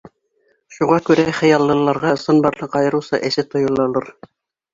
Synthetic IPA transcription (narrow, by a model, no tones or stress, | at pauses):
ʃuʁɑkʉɾæχɘ̆jɑlˠːɤ̆lˠːɑɾʁɑɤ̆sɤnbɑɾɤqɑjɤ̆ɾusɑ̰ʔɘ̆ʃɘt̪ŏjɤ̆lˠɑlˠɤɾ